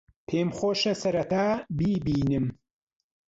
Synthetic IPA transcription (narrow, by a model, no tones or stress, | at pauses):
pʰeːmχoːʃɐsɐɾɐt̪aːbiːbiːnɨm